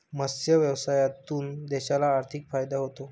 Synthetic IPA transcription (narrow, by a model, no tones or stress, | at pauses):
məsjəʋjəʋsajat̪uːnd̪eɕalaːɾt̪ʰikfajd̪aɦot̪o